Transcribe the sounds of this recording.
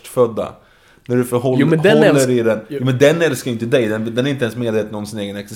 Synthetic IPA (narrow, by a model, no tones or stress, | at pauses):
ʈfœd̪ːa̰ | næɖɵfœɾɦɔɔlːəɾɪd̪ɛnjuːmɛnd̪ɛnɛlskajʏnt̪əd̪ɛjd̪ɛnd̪ɛnæɾɪnt̪əɛnsmeːd̪veːt̪ənɔmsɪneːɡənɛksɛs